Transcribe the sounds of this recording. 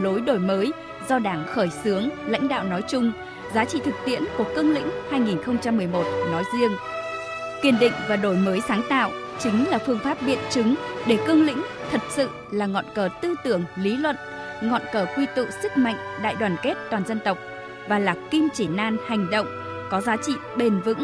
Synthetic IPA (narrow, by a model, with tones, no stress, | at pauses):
lo˨˦jɗo˧˩jməː˨˦j | zɔ˧ɗaː˧˩ŋxəː˧˩jsɨ˨˦əŋla̰˧˥jŋ̟ɗa̰ː˧˨wnɔ˨˦jt͡ɕʊ˧ŋ͡m | zaː˨˦t͡ɕḭ˧˨t̪ʰɨ˨˩k̚t̪ḭ˧˥ənku˧˩əkɨ˧əŋlḭ̈˧˥ŋ̟haː˧jŋi˨˩nxə˧wŋ͡mt͡ɕa˧mːɨ˨˩əjmo˨˩t̚nɔ˨˦jzi˧əŋ | kwi˨˩ənɗḭ̈˧˨ŋ̟vaː˨˩ɗo˧˩jməː˨˦jsaː˨˦ŋt̪a̰ː˧˨wʔ | t͡ɕï˨˦ŋ̟laː˨˩fɨ˧əŋfaː˦˥p̚ɓḭ˧˨ənt͡ɕɨ˨˦ŋɗe˧˩kɨ˧əŋlḭ̈˧˥ŋ̟ | t̪ʰə˨˩t̚sɨ̰˧˨ | laː˨˩ŋɔ̰˧˨nkəː˨˩t̪ɨ˧t̪ɨ˧˩əŋli˨˦lwə̰˧˨n | ŋɔ̰˧˨nkəː˧˩kwi˧t̪ṵ˧˨sɨ˦˥k̚ma̰˧˨jŋ̟ɗa̰ː˧˨jɗwaː˨˩nke˦˥t̚t̪waː˨˩nzə˧nt̪ə˨˩wk͡p̚ | vaː˨˩laː˨˩ki˧mt͡ɕi˧˩naː˧nha˨˩jŋ̟ɗə̰˧˨wŋ͡m | kɔ˨˦zaː˨˦t͡ɕḭ˧˨ɓe˧˩nvɨ̰˧˥ŋ